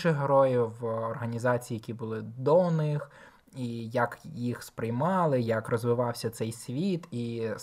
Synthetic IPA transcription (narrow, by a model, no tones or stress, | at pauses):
ʃɪxɦeɾɔjiwɔrɦɐnʲizɑt͡sʲijːjɐkʲibʊlˠɪd̪ɔnɪx | ijɐkjixspɾɪjmɑlˠɪjɐkrɔzʋɪʋɑwsʲɐt̪sɛjsʲʋʲit̪i